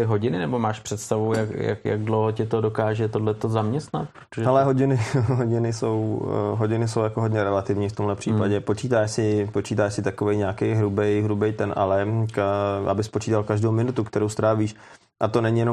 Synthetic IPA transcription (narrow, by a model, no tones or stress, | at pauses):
t̪ɪɦoɟɪnɪnɛbo̞maːʃpr̥ɛt̪st̪avujakja̰kja̰ɡdlowɦocɛt̪odokaːʒɛt̪o̞dlɛt̪o̞zamɲɛst̪na̰t̪pɾot̪oʒɛɦɛlɛɦo̞ɟɪnɪɦoɟɪnɪso̞wɦo̞ɟɪnɪso̞wjakoɦodɲɛɾɛlat̪ɪvɲiːft̪omɦlɛpr̝̥iːpaɟɛpo̞t͡ʃiːt̪aːʃsɪpo̞t͡ʃiːt̪aːʃsɪt̪ako̞vɛjɲaːkɛjɦɾubɛjɦɾubɛjt̪ɛnʔa̰lɛkʔa̰bɪspot͡ʃiːt̪alkaʒdowmɪnut̪ukt̪ɛɾowst̪ɾaːviːʃ | ʔat̪o̞nɛɲijɛno